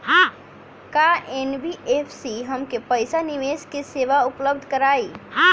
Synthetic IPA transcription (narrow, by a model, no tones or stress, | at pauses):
ɦã | kaʔenbiʔepʰsiɦəmkepəɪsaniʋeskeseʋaupləb̚d̪ʱkəɾaːiɦã